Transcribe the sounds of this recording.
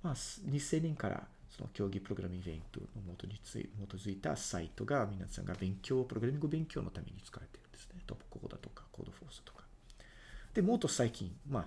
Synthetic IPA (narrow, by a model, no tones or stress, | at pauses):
maːsɲ̟isẽ̞ɲʲːẽŋkaɾa̰ | so̞no̰kʲo̞ːɡʲipɯ̟ɾo̞ɡɯ̟ɾamʲĩbẽ̞̰nt̪o̰nomot̪oɲʲiɨ̰moːt̪ozɨit̪a̰sait̪o̞ɡamʲinasã̰ŋɡabẽ̞ŋkʲo̞ːpɯɾo̞ɡɯɾamʲĩŋɡɯ̟bẽ̞ŋkʲo̞ːno̞t̪amʲe̞̰ɲ̟it͡sɨ̥kaɾe̞t̪e̞ɾɯ̟nd̪e̞sɨ̥net̪obo̥koːd̪at̪o̞̥kḁko̞̰ːd̪o̞ɸo̞̰ːsɨ̥t̪o̥kḁ | d̪̥e̞mo̞ːt̪osaikʲĩŋmaː